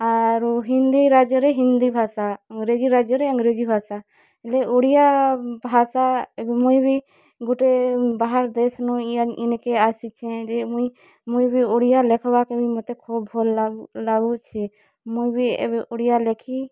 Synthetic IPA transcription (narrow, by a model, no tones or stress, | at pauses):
aɾɦĩnd̪iɾaːd͡ʒjəɾeɦĩnd̪ibʱaːsaəŋɡɾed͡ʒiɾad͡ʒjəɾeəŋɡɾed͡ʒibʱaːsa | ɛleoɽijabʱaːsaɛbemujbi | ɡuʈebaɦaɾd̪esnɔiinkeasit͡ʃʰɛ̃d͡ʒemui | mujbioɽijalɛkʰbakebʱimɔt̪ekʰubɦollaɡut͡ʃʰi | mujbiɛ̰beʔoɽijalekʰi